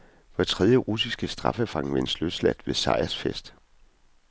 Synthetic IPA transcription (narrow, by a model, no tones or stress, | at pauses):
ʋɑ̥t͡sʰʁɛðˠjəʁus̬isɡ̥əsd̥ʁɑ̈fəfɑ̈ŋʋensløð̥slæd̥ʋe̝sɑ̈ɪ̰æsfesd̥